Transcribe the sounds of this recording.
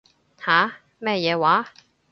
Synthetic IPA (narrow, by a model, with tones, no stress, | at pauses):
haː˨˥ | mɛː˥jɛː˨˧waː˨˥